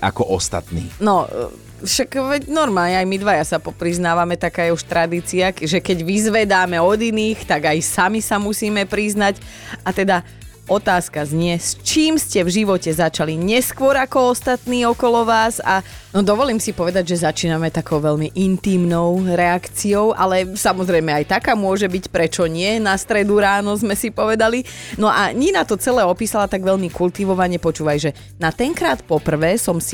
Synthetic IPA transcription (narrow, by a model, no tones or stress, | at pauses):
a̰kɔʔɔst̪a̰t̪nḭːnɔ | ʃakʋɛɟnɔɾmaːlɲɛajmid̪ʋajasaɔpɾiznaːʋamɛt̪akaːjɛuʃt̪ɾad̪iːt͡siakʒɛkɛɟʋizʋɛd̪aːmɛɔd̪iniːxt̪aɡajsamisamusiːmɛpɾiznac | at̪ɛd̪a | ɔt̪aːskazɲɪɛst͡ʃiːmscɛvʒiʋɔcɛzat͡ʃaliɲɛskwɔɾakɔɔst̪at̪niːɔkɔlɔʋaːza | nɔd̪ɔʋɔliːmsipɔʋɛd̪aɟʒɛzat͡ʃiːnamɛt̪akɔʊʋɛʎmiʔint̪iːmnɔʊɾɛakt͡siɔʊʔalɛsamɔzɾɛjmɛajt̪akaːmʊɔʒɛbicpɾɛt͡ʃɔɲɪɛnast̪ɾɛd̪uɾaːnɔzmɛsipɔʋɛd̪alinɔʔaɲinat̪ɔt͡sɛlɛːɔpiːsalat̪aɡʋɛʎmikult̪iʋɔʋaɲɛpɔt͡ʃuːʋajʒɛ | nat̪ɛŋkɾaːt̪pɔpr̩ʋɛːsɔmsi̥